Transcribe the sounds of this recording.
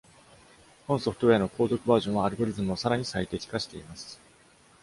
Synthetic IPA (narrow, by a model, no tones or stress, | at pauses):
kõ̞ɰ̃soɸɯ̥t̪oe̞ano̞kʰo̞ːzo̞kɯ̟baːʑõɰ̃βaːɾɯ̟ɡo̞ɾʲizɨmɯ̟osaɾaɲ̟isait̪e̞kʲi̥kaɕi̥t̪e̞imasɨ̥